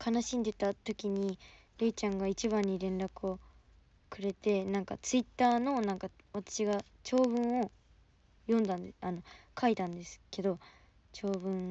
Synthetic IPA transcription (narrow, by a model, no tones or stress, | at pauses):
kʰanaɕĩnd̪e̞t̪at̪o̞kʲiɲ̟i | ɾeit͡ɕãŋɡait͡ɕiβãɲ̟ːiɾẽ̞nɾakɯ̟o̞ | kɯ̟ɾe̞t̪e̞nãŋka̰t͡sɨit̪ːaːno̞nãŋka | βat̪ḁɕiɡa | t͡ɕo̞ːβɯ̟̃ɰ̃o̞ | jõ̞nd̪ãnd̪eano̞kʰait̪ãnd̪e̞sɨ̥ke̞d̪o̞ | t͡ɕo̞ːbɯ̟̃ŋ